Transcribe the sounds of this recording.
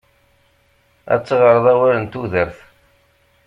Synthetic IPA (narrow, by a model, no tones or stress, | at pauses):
æ̰t͡sːəʁəɾˤðˤæwæɾənt̪uðəɾθ